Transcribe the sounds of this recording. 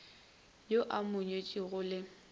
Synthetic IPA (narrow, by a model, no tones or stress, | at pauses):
joʔamʊɲwet͡ʃʼɪɣʊlɪ